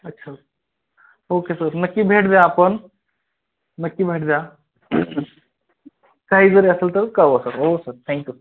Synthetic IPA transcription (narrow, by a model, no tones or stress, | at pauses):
ɐtːʃʰao | oːkesəɾnɐkːibʱeːʈʰd̪jãːpən | nɐkːibʱeːʈd̪ã | kaːɦizəɾeɐsəlt̪əkaosəɾoːsəɾt̪ʰɛ̃ːŋkjusɾ